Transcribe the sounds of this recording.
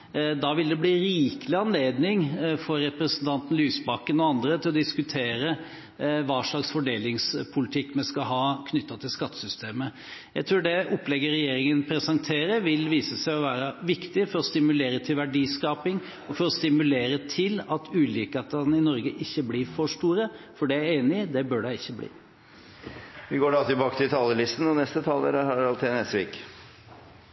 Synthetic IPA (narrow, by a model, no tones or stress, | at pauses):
d̪ɑʋɪld̪ɛbliːɾiːkəlɪɑnleːd̪nɪŋfɔɾːɛpɾɛsənt̪ʰɑnt̪n̩lyːsbɑkːənɔɑnd̪ɾət̪ʰɪlɔd̪ɪskʉt̪ʰeːɾə | ʋɑːʂɭɑksfɔɖeːlɪŋspʰʊlɪt̪ʰɪkːmɛskɑɦɑːkʰnʏt̪ːɑt̪ʰɪlskɑt̪ːə̥sʏst̪ʰeːmə | jæɪt̪ʰɾuːɖɛɔplɛɡəɾɛjeːɾɪŋənpʰɾɛsɑŋt̪ʰeːɾəɾʋɪlʋiːsəsæɪɔʋæːɾəʋɪkt̪ɪfɔɾɔst̪ɪmʉleːɾət̪ʰɪlʋæɖiːskɑːpɪŋ | ɔfɔɾɔst̪ɪmʉleːɾət̪ʰɪlɑt̪ʰʉːliːkɑt̪̚ɑnɪnɔɾɡəʔɪçːəblɪːɾfɔʂʈuːɾəfɔɖɛæɾeːnɪd̪ɛbœɖæɪɪçːəblḭː | ʋɪɡoːɖɑt̪ɪlbɑːkə̥t̪ʰɪlt̪ʰɑːləlɪst̪n̩ɔnɛst̪ət̪ʰɑːləɾəhɑɾɑlt̪ʰɛnesʋiːk